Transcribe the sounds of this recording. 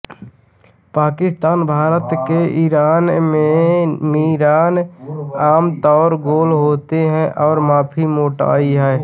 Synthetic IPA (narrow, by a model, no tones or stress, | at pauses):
paːkɪst̪aːnbʱaːɾət̪keʔiɾaːnmemiːɾaːnaːmt̪ɔːɾɡoːlɦoːt̪eɦɛ̃ʔɔːɾmaːpʰimoːʈa̰ːiɦɛː